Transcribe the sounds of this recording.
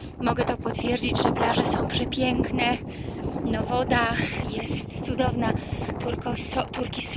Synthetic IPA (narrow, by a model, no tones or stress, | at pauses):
mɔɡɛt̪ɔpɔt̪fʲjɛɾd͡ʑid͡ʑʐɛplaʐɛsɔ̃w̃pʂɛpʲjɛŋknɛ | nɔvɔd̪axjɛst̪t̪sud̪ɔvnat̪uɾkɔst̪uɾkʲis